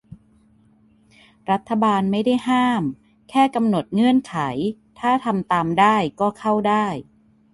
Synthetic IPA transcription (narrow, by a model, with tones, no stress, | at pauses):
ɾa˦˥t̪ʰːa˧baː˧nma˥˩jda˥˩jɦaː˥˩m | kʰɛː˥˩ka˧mno˨˩t̪̚ŋɯ˥˩ənkʰa˩˦jt̪ʰaː˥˩t̪ʰa˧mt̪aː˧mdaː˥˩jkɔː˥˩kʰa˥˩wdaː˥˩j